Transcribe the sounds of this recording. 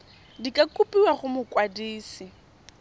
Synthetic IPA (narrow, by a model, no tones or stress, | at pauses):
dikʼakʼupʼiwaχʊmʊkʼwadiːsɪ